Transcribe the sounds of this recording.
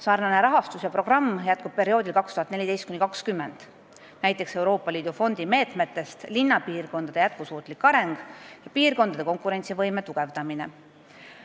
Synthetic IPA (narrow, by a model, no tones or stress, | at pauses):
sɑːrnɑne̞ɾɑɦɑst̪usjɑpro̞ɡ̥rɑmːjæt̪̚kub̥̚pe̞ɾio̞ːd̪ilkɑkst̪uhɑt̪ne̞lid̪e̞jst̪̚kunʲːikɑkskymːe̞nd̪̥ | næjt̪ˑːe̞kse̞wɾo̞ːpːˑɑliːd̪̥ufo̞nd̪̥ime̞ːt̪me̞t̪ːe̞st̪linːɑpiːrko̞nd̪ɑd̪̥eæt̪̚kusuːt̪ˑlikːɑɾe̞ŋɡ̥jɑpiːrko̞nd̪ɑd̪e̞ko̞ŋkuɾe̞nʲt̪sivɤjmet̪uɡ̥e̞vd̪ɑmine̞